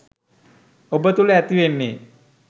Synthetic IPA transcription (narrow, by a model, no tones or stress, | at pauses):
obət̪uleæt̪iʋenːeː